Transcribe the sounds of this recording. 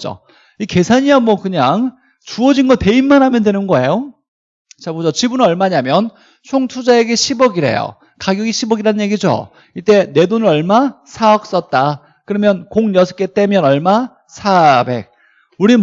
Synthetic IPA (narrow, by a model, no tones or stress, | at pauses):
d͡ʑo̰ | ike̞sʰaɲiamwʌkɯɲaŋ | t͡ɕuʌd͡ʑinɡʌte̞inmanɦamjʌndwe̞nɯnɡʌe̞jo | t͡ɕabod͡ʑot͡ɕibunʌɭmaɲamjʌn | t͡ɕʰoŋtʰud͡ʑae̞ɡe̞ɕʰibʌɡiɾḛjo̰ | kaɡjʌɡiɕʰibʌɡiɾanɯnɲje̞ɡid͡ʑo̰ | it͈e̞ne̞donɯɾʌɭmasʰaʌk̚s͈ʌt̚t͈a | kɯɾʌmjʌnkoŋɲʌsʰʌ̥k͈et͈e̞mjʌnʌɭma | sʰabe̞̰k̚ | uɾi